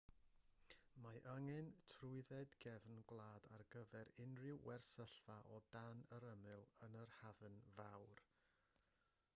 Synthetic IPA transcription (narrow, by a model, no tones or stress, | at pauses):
maʔəŋɨntʰrʊɨðɛdɡɛvnɡwlˠaːdarɡəvɛɾɪnrɪwwɛrsəɬvaʔɔdanəɾəmɨlˠənərhavənvawr